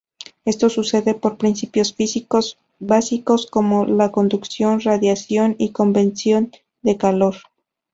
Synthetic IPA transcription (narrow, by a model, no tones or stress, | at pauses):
e̞st̪o̞suse̞ðe̞po̞ɾpɾinsipjo̞sfisikos | basiko̞sko̞mo̞lako̞nd̪uksjo̞nraðjasjo̞niko̞mbe̞nsjo̞n | d̪e̞kalo̞ɾ